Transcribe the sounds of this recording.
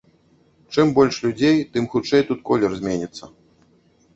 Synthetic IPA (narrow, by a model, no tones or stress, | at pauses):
t͡ʂɨmbɔlʲʂlʲud͡zʲejt̪ɨmxut͡ʂɛjt̪ut̪̚kɔlʲɛrzʲmʲenʲit̪sːɐ